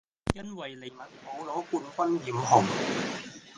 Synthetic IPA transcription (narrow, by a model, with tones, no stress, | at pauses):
jɐ˥nwɐ˨˩jle˨˩jmɐ˨˩t̚ho˨˥wlɔː˨˥kuː˧nfɐ˥njiː˨˥mhɔ˨˩ŋ